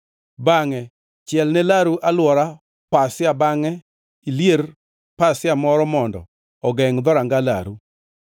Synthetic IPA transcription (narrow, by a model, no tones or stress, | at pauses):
baŋɛ | t͡ʃjɛlnɛlaɾuʔalwɔɾa | pasɪabaŋɛ | iljer | pasɪamɔɾɔmɔndɔ̰ | ɔɡɛŋd̪ɔɾaŋɡala̰ɾu